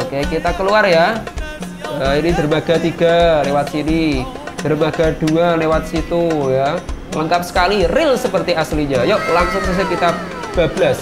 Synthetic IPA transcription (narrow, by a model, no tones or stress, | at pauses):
okekit̪akəluarja | əinid̪̥ərmaɡ̥a̤t̪iɡ̥alewat̪̚sini | d̥ərmaɡ̥a̤d̪̥ualewat̪̚sit̪ujaləŋkap̚sə̥kalirɪlsəpərt̪iasliɲajoʔlaŋsʊŋsas̬ekit̪a | b̥ablas